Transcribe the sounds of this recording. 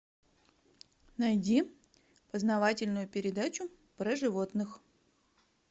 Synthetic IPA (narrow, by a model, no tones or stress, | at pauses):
nɐjdʲi | pəznɐvatʲɪlʲnʊjʊpʲɪɾʲɪd̪at͡ɕʊ | pɾəʐɨvot̪nɨx